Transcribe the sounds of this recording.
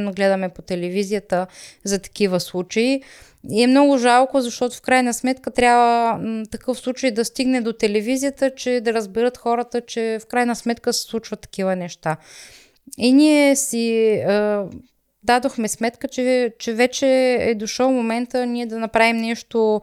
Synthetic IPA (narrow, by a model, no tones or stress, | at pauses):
nːoɡlɛd̪ɐmɛpot̪ɛlɛvizijət̪əzɐt̪ɐ̥k̟ivəslˠut͡ʃɐi | iɛmnɔɡʊʒalˠkozɐʃt̪ɔt̪ʊfkɾajnəsmɛt̪kət̪ɾʲabvət̪ɐkɤfslˠut͡ʃəjd̪ɐst̪iɡnɛd̪ot̪ɛlɛvizijət̪ət͡ʃɛd̪ɐɾəzbɛɾət̪xɔɾət̪ət͡ʃɛfkɾajnəsmɛt̪kəsɛ̥slˠut͡ʃvət̪ːɐ̥k̟ivənɛʃt̪a | iniɛsiə | d̪ad̪oxmɛsmɛt̪kət͡ʃɛt͡ʃɛvɛt͡ʃɛɛd̪oʃəwmomɛnt̪əniɛd̪ɐnɐpɾavimnɛʃt̪o